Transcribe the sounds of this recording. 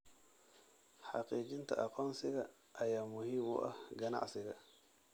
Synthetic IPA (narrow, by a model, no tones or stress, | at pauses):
ħaqiːd͡ʒint̪a̰ʔaqonsiɡa | ʔajaːmʊhimṵʔa̰ɡana̰ʔsɪɡa